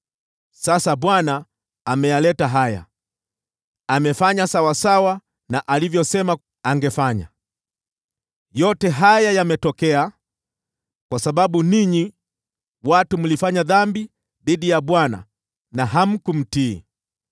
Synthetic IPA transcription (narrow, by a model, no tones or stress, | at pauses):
sasaɓwana | amɛjalɛtaɦaja̰ | amɛfaɲasawasawa | naʔalivjɔsɛma | aŋɡɛfaɲa̰ | jɔtɛɦajajamɛtɔkɛa | kwasaɓaɓuniɲi | watum̩lifaɲaðambi | ðiɗijaɓwana̰ | naɦam̩kum̩tiː